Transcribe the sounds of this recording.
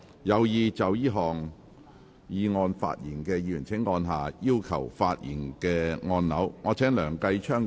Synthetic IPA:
jɐ˨˧wjiː˧t͡sɐ˨wjiː˥ɦɔː˨ŋ | jiː˨˧ŋɔː˧nfa̰ː˧t̚jiː˨˩nkɛː˧jiː˨˧˨y˨˩nt͡sʰɪ˨˥ŋːɔː˧nɦaː˨˩jiː˥wkʰɐ̰˨˩wfaː˧t̚jḭː˨˩nkɛː˧ŋɔː˧nnɐ˨˥wŋɔː˨˧t͡sʰɛː˨˥ŋlœː˨˩ŋkɐ˧jt͡ʃʰœː˥ŋ

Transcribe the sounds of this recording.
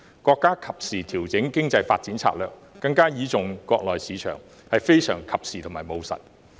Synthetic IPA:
kɔː˧kːaː˥kʰɐ˨p̚siː˨t̪ʰiː˨˩wt͡sɪ˨˥ŋkɪ˥ŋt͡sɐ˧jfa̰ː˧t̚t͡si˨˥nt͡sʰa̰ː˧˥lœː˨k̚ːɐ˧ŋkaː˥jiː˨˧t͡sʊ˨ŋkɔː˧k̚lɔː˨˩jsiː˨˧t͡ʃʰœ̰ː˨˩ŋ | hɐ˨jfe˥jsœ̰ː˨˩ŋkʰɐ˨p̚siː˨t̪ʰʊ˨˩ŋmaː˨˩mo˨˧wsɐ̰˨t̚

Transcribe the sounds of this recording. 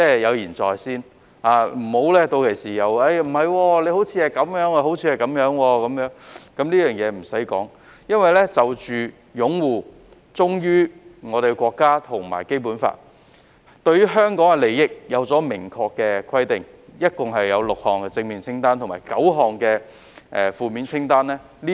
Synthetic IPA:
t͡sɛː˥˩jɐ˨˧wjiː˨˩nt͡sɔː˨jsiː˥˩n | aː˨˧m̩˨˩ho˨˥wlɛː˥t̪o˧wkʰe˨˩jsiː˨jɐ˨˧wɐ˥˧jm̩˨˩hɐ˨jwɔː˧le˨˧jho˨˥wt͡sʰiː˨˧hɐ˨˩jkɐ˨˥mjœː˨˥ŋa˧ho˨˥wt͡sʰiː˧hɐ˨jkɐ˨˥mjœː˨˥ŋwɔː˧kɐ˨˧˥mjœː˨˥ŋkɐ˨˥mniː˥jœː˨˩ŋjɛː˨˧m̩˨˩sɐ˨˥jkɔ̰ː˨˥ŋ | jɐ˥nwɐ˨˩jlɛ˥t͡sɐ˨wt͡ʃyː˨ | jʊ˨˥ŋwuː˨ | t͡sʊ˥ŋjyː˥ŋɔː˨˧ɾe˨˩˧kʷɔː˧kːaː˥t̪ʰʊ˨˩ŋma̰ː˨˩jke˥jp̬uː˨˥nfa̰ː˧t̚ | t̪ɵ˧ɥjyː˥ɦœː˥ŋkɔː˨˥ŋɛ˧le˨jːɪ˥k̚jɐ˨˧wt͡sɔː˨˥mɪ˨˩ŋkʰɔː˧kːɛː˧kʰɐ˥jt̪ɪ˨ŋ | jɐ˥t̚kʊ˨ŋɦɐ˨jːɐ˨˧wlʊ˨k̚hɔː˨˩ŋkɛ˧t͡sɪ˧ŋmiː˨˩nt͡sʰɪ˥ŋt̪aː˥nt̪ʰŋmaː˨˩jkɐ˨˥wɦɔː˨ŋkɛː˧ | ʔɛː˨fuː˨miː˨˧nt͡sʰɪ˥ŋt̪aː˥nlɛː˥ | liː˥

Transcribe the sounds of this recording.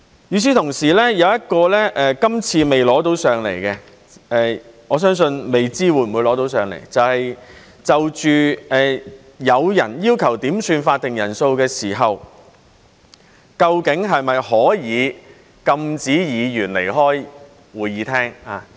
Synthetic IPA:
jyː˨˥s̬iː˥t̪ʰʊ˨˩ŋsiː˨˩lɛː˥jɐ˨˧wjɐ˥t̚kɔː˧lɛː˥ʔɛː˨˧kɐ˥mt͡sʰiː˧me˨jlɔː˨˥t̪o˨˥wsœː˨ŋlḛ˨˩jkɛː˧ | ɛː˨˧ | ɔː˨˧˥s̬œː˥ŋsɵ˧nme˨jt͡siː˥wuː˨˧jm̩˨u˨˧jlɔː˨˥t̪o˨˥ws̬œː˨ŋlḛ˨˩jt͡sɐ˨whɐ˨j | t͡sɐ˨wt͡ʃyː˨ɛː˨ | jɐ˨˧wjɐ̰˨˩njiː˥wkʰɐ˨˩wt̪iː˨˥msyː˧nfaː˧t̚t̪ɪ˨ŋjɐ˨˩nso˧wkɛː˧siː˨˩ɦɐ˨w | kɐ˧wkɪ˨˥ŋɦɐ˨jmɐ˨jhɔː˨˥jiː˨˧ | kɐ˧mt͡siː˨˥jiː˨˧jyː˨˩nlḛ˨˩jɦɔː˥j | wuː˨˧jjiː˨˧t̪ʰɛː˥ŋaː˨˧

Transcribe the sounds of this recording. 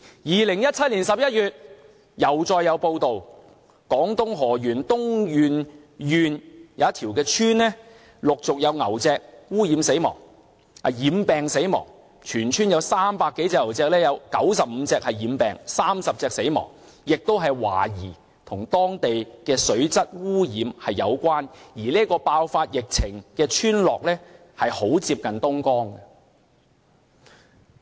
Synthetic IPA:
jiː˨˩lɪ˨˩ŋjɐ˥t̚t͡sʰɐ˥t̚liː˨˩nsɐ˨p̚jɐ˥t̚jyː˨t̚ | jɐ˨˩wt͡sɔː˧jːɐ˨˧wpo˧wt̪o˨w | kɔː˨˥ŋt̪ʊ˥ŋɦɔː˨˩jyː˨˩nt̪ʊ˥ŋjyː˨n | jyː˨njɐ˨˦ɐ˥t̪ʰiː˨˩wkɛː˧t͡ʃʰyː˥nlɛː˥ | lʊ˨k̚t͡sʊ˨k̚jɐ˨˧wŋɐ˨˩wt͡sɛː˧k̚wuː˥jiː˨˧˥mse˨˥jmɔ̰ː˨˩ŋ | ɐ˨˩jiː˨˧mpɛː˨ŋse˨˥jmɔ̰ː˨˩ŋ | t͡ʃʰyː˨˩nt͡ʃʰyː˥njɐ˨˧wsaː˥mpaː˧kːe˨˥jt͡sɛː˧k̚ŋɐ˨˩wt͡sɛː˧k̚lɛː˥jɐ˨˧wkɐ˨˥wsɐ˨p̚m̩˨˧t͡sɛː˧k̚hɐ˨jjiː˨˧˥mpɛː˨ŋsaː˥msɐ˨p̚t͡sɛː˧k̚se˨˥jmɔ̰ː˨˩ŋ | jɪ˨k̚t̪o˥wɦɐ˨jwa̰ː˨˩jiː˨˩ | t̪ʰʊ˨˩ŋt̪ɔː˥ŋt̪e˨jkɛː˧sɵ˨˥ɥt͡sɐ˥t̚wuː˥jiː˨˥mhɐ˨jːɐ˨˧wkʷaː˥njiː˨˩liː˥kɔː˧paː˧wfaː˧t̚jɪ˨k̚t͡sʰɪ˨˩ŋkɛː˧t͡ʃʰyː˥nlɔː˨k̚lɛː˥ | hɐ˨jho˨˥wt͡siː˧p̚kɐ˨nt̪ʊ˥ŋkɔː˥ŋɐ˧

